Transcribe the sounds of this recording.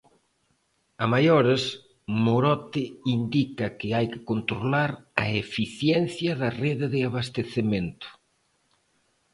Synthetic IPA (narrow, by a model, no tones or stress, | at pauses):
amajoɾes | moɾɔt̪ɪind̪ikɐkɪajkɪ̥kont̪ɾolaɾɐefiθjɛn̟θjɐðɐreðeðɪaβast̪eθement̪ʊ̥